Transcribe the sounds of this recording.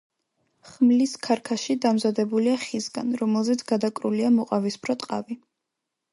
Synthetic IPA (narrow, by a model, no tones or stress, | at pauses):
χmliskʰaɾkʰaʃid̪amzad̪ɛbuliaχisɡa̰nɾɔmɛlˠzɛt̪sʰɡ̥ad̪akʼɾuliamɔqʼavispʰɾɔt̪ʼqʼa̰vi